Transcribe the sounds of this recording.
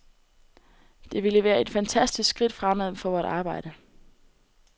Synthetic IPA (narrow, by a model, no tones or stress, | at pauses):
d̥e̝ʋiləʋæːɐe̝d̥fænt͡sʰæsd̥isɡ̥sɡ̥ʁid̥fʁamæðˠfɒʋɒːɾ̥ɑ̈ːb̥ɑ̈ɪ̰ɾ̥ə